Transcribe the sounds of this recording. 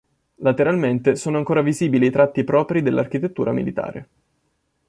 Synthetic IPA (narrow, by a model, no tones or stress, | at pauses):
lat̪eɾalment̪esoːnoaŋkoːɾaviziːbiliit̪ɾat̪ːipɾɔːpɾid̪elːark̟it̪et̪ːuːɾamḭlit̪a̰ːɾʔḛ